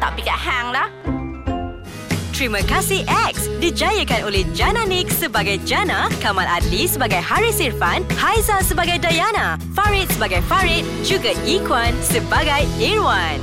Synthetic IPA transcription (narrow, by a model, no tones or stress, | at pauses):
t̪a̰ʔbikaʔhaŋlah | t̪ɾimə̃kasiʔɛk̚sdid͡ʒajəkanolɛhd͡ʒanãnik̚səbaɡajd͡ʒanãkamãladlisəbaɡajhaɹisirfanhajzasəbaɡajdajana | faɹɪt̪̚səbaɡajfaɹit̪̚d͡ʒuɡaikwansəbaɡajɛɹwan